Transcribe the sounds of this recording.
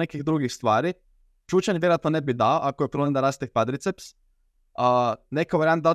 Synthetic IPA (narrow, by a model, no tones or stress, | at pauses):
ekiɣd̪ɾuɡixst̪ʋaːɾi | t͡ʃuːt͡ɕaniʋʲjeɾat̪onebid̪aoʔakojepɾolend̪aɾast̪ek̚pad̪ɾit̪seps | ənekaʋaɾijant̪d̪ao